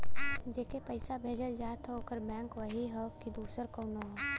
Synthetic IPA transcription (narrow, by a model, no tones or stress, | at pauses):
d͡ʒeːkepəɪsabʱeːd͡ʒəld͡ʒaːt̪ɦoːkəɾbɛ̃ːŋkʋəɦiɦokid̪uːsəɾkoːnoɦɛː